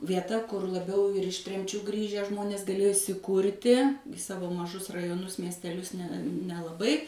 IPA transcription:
ʋʲiɛˈtɐ ˈkʊr lˠɐˈbʲɛʊ ɪr ɪʃ ˈtʲrʲɛmʲt͡ʃʲuː ˈɡrʲiːʒʲæː ˈʒmoːnʲeːs ɡɐˈlʲeːjoː iːsʲɪˈkuːrʲtʲɪ ɪ ˈsɑːʋoː mɐˈʒʊs rɐjoːˈnʊs mʲiɛsʲtʲɛˈlʲʊs nʲɛ nʲɛlˠɐˈbɐɪ

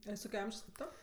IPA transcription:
ɐ ˈjɪs ˈtoːkʲɛ ˈɐmʲʒʲoːs kʲeːp ˈtoː

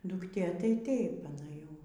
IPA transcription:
dʊkˈtʲeː tɐɪ ˈtɐɪp ɐˈnɐ ˈjɛʊ

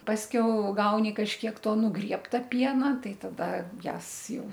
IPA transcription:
pɐsʲˈkʲɛʊ ˈɡɐʊnʲɪ kɐʃʲkʲiɛk ˈtoː nʊˈɡrʲiɛptɐ ˈpʲiɛnɐ ˈtɐɪ ˈtɑːdɐ ˈjæːs ˈjɛʊ

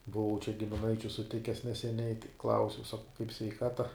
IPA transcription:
bʊˈʋɐʊ t͡ʃʲɛ ɡʲɪmʲɪˈnɐɪt͡ʃʲʊ sʊˈtʲɪkʲɛs nʲɛsʲɛˈnʲɛɪ ˈklˠɐʊsʲɛʊ sɐkɐʊ kɐɪp sʲʋʲɛɪˈkɑːtɐ

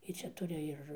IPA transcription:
ˈjɪ ˈt͡ʃʲɛ ˈtʊrʲɪ ɪr

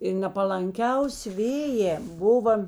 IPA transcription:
ɪr nʲɛpɐlˠɐŋʲˈkʲɛʊsʲɪ ˈʋʲeːjɛː ˈbʊʋɐ

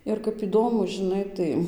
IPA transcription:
ɪr kɐp ɪˈdoːmʊ ʒʲɪˈnɐɪ tɐɪ

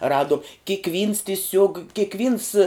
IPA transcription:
ˈrɑːdoːm kʲɪkˈʋʲiːns tʲɪˈsʲuɔk kʲɪkˈʋʲiːns

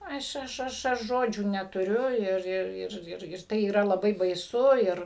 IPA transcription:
ˈɐʃ ˈɐʃ ˈɐʃ ɐʃ ˈʒoːd͡ʒʲuː nʲɛtʊˈrʲʊ ˈɪr ˈɪr ɪr ɪr ˈtɐɪ iːˈrɐ lˠɐˈbɐɪ bɐɪˈsʊ ˈɪr

